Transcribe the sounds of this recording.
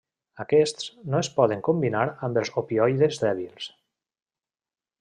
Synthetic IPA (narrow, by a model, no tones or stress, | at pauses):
əkɛst̪snoespɔðeŋkombinaɾambəlˠzopiɔjðezðɛβilˠs